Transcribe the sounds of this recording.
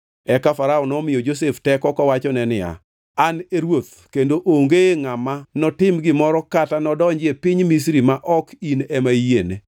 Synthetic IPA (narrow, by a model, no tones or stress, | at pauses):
ɛkafaɾaɔnɔmɪjɔd͡ʒos̬eftɛkɔkɔwat͡ʃɔnɛnɪa̰ | aneɾwot̪̚ | kendoʔoŋɡeŋamanɔtɪmɡɪmɔɾɔkatanɔdɔɲd͡ʒɪepɪɲmis̬ɾimaʔɔkinɛmajene